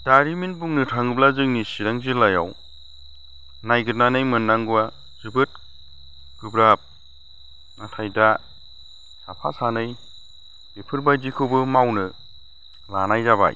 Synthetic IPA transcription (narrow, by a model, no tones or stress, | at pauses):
daɾiminbuŋnɯtʰaŋɯblazɯŋnisiɾaŋzilaja̰w | najɡɯt̚nanɯjmɯnːaŋɡua | zɯbɯt̚ | ɡɯbɾap̚ | natʰajda | sʰapʰa̰sanɯj | bipʰɯɾbajzikʰɯbɯmawnɯ | lanajzaba̰j̰